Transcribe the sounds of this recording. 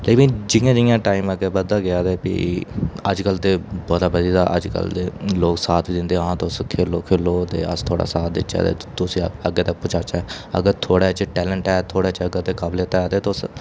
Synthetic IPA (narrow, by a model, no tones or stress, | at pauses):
leːkɪnd͡ʒɪjãːd͡ʒɪɪjãːʈaːiːməɡɛːbəd̪ːaːɡɪjaːd̪ɛːpḭəd͡ʒkəlt̪eːbɔːd̪aːbəd̪iːd̪aːʔə̰d͡ʒkə̰ld̪eːloːksaːt̪ʰiːd̪ɪnd̪eːãːt̪oʊskʰeːloːkʰeːloːt̪ḛːə̰st̪ʰoːɽa̰ːsaːt̪̚d̪ɪt͡ʃːa̰ːd̪ḛːt̪ʊsĩːəɡeːt̪ək̚pʊt͡ʃʰaːt͡ʃɛːə̰ɡəɾt̪ʰoːɽaːt͡ʃʈɛːlə̃ɳʈɛːt̪ʰoːɽaːt͡ʃəɡəɾt̪eːkableːt̪aɛːd̪eːt̪oʊs